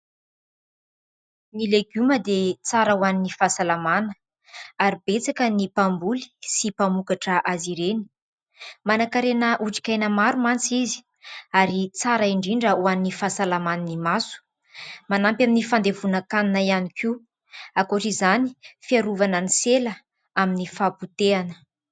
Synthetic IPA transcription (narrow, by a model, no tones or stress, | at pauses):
nileɡyməd̪et͡saɾəuaninifasalamanə̥ | aɾibet͡sakənipambuli̥sipamukaʈ͡ʂəʔaziɾeni̥ | manakaɾenəʔuʈ͡ʂi̥kʲajnəmaɾumant͡sizi̥ | aɾit͡saɾaiɳɖ͡ʐiɳɖ͡ʐəuannifasalamananimasu̥ | manampjaminifand̪evunakaninaianiki | akuʈ͡ʂizanifiaɾuvanəniselə | aminifaput̪eanə̥